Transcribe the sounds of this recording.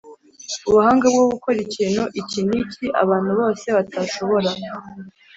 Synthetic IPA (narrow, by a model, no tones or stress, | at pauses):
uβuhaːŋɡabɡoβukoɾicinoʔiciniciʔa̰βaːn̥huβo̞ːse̞βataʃo̞βo̞ɾa